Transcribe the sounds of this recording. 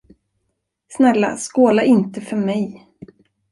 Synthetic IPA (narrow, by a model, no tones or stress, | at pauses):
snɛlːa̰skoːlaʔɪnt̪əfœɾmɛj